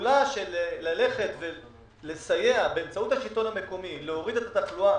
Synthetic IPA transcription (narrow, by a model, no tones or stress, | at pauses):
laʃellale̞χe̞t̪ve | le̞saje̞abeːmt͡sauthaʃilto̞name̞komileoʁid̪et̪at̪aχlua